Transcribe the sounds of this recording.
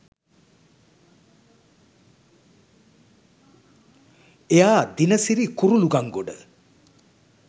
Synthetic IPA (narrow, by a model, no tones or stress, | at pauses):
ejaːd̪inəsiɾikuɾuluɡaŋɡoɖə̰